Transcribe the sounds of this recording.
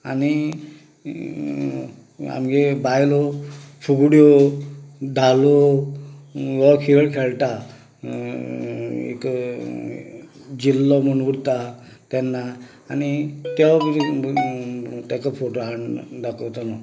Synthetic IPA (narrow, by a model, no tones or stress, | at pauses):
a̰ni | a̰mɡebajlɔpʰuɡɽjo | d̪ʱalɔ | ɡɔkʰiɡəɽkʰɛɭʈa | ḛk | d͡ʑilːɔmənɡuɽt̪a | t̪ɛnːaː | nit̪ɛw | t̪ɛkapʰoʈoɦaɳd̪akɔt̪anɔ